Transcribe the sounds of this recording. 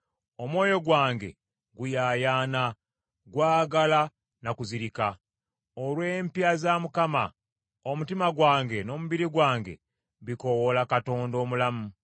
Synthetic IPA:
o̞mwo̞ːjo̞ɡwaːŋɡe̞̰ | ɡujaːjaːna | ɡwaːɡala | nakuziɾika | olwe̞mpjazamukama̰ | omutimaɡwaːŋɡe̞no̞ːmuβiɾiɡwaːŋɡe̞̰ | βiko̞wolakato̞ːndo̞ːmulamu

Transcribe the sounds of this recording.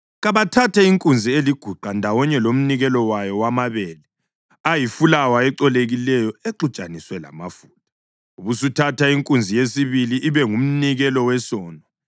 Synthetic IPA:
ɣaβatʰatʰɛiŋkʼund͡zʱieliɡ̥ʱuǃandʱawɔɲɛlom̩niɣɛlɔwajɔwamaβɛːlɛ | ajifulawaɛǀɔleɣilɛjɔeǃut͡ʃʼaniswɛla̰mafuːtʰḁ | uβusutʰatʰaiŋkʼund͡zʱijesiβiliʔːβɛŋum̩niɣɛlɔwɛsɔːnɔ

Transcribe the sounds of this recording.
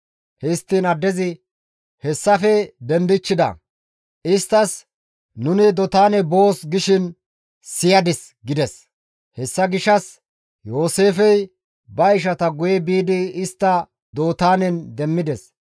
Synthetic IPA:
hɛst̪ːiːnɐd̪ːɛzɪ | hɛsːɐfɛd̪ɛnd̪ɪt͡ʃːɪd̪ɐ̰ | ʔɪst̪ːɐs | nʊnɪd̪ɔt̪aːnɛbo̞ːsɡɪʃɪn | sɪjɐd̪ɪs | ɡɪd̪ɛs | hɛsːɐɡɪʃɐs | jo̞ːse̞ːfɛj | bɐɪʃ̬ɐt̪ɐɡʊjɛbiːd̪ɪɪst̪ːɐ | d̪o̞ːt̪aːnɛnd̪ɛmːɪd̪ɛs

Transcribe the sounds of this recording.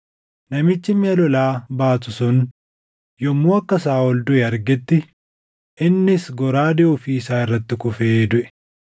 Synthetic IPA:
nɐmɪt͡ʃːɪmɪɐlɔlaːbaːt̪ʊsʊn | jɔmːuːɐkːɐsaːɔld̪ʊɛɐɾɡɛt̪ːɪ | ʔɪnːɪsɡɔɾaːd̪ɛʔʊfiɪsaːɪrːɐt̪ːɪkʊfeːd̪ʊʔɛ̥

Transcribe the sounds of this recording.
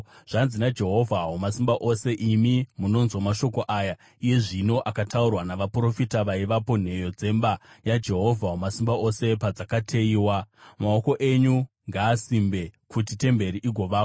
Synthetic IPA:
ʐ̥anzinad͡ʒe̞ɦo̞vʱaɦomasimbaʔo̞se̞ʔimimuno̞nzwamaʃo̞ko̞ʔaːja | ije̞ʐino̞ʔakataurwanaʋapuro̞fitaʋaiʋapo̞n̤e̞jo̞d͡ze̞mbajad͡ʒe̞ɦo̞vʱaɦomasimbaʔo̞se̞pad͡zakatʰe̞iːwamao̞ko̞ʔe̞ɲu | ŋɡaːsimbe̞kutite̞mbe̞ɾiʔiɡʱo̞ʋaːko

